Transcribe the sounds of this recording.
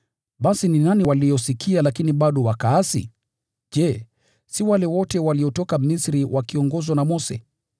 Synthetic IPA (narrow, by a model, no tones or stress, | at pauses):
ɓasininaniwalijɔsikʰialakiniɓaɗɔwakaasḭ | ʄɛ | siwalɛwɔtɛwaliɔtɔkamisɾiwʔakiɔŋɡɔzwanamɔsɛ̰